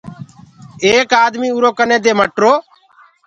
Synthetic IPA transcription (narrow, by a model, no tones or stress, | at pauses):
eːkaːd̪miːuːɾoːkənẽːd̪eːməʈɾoː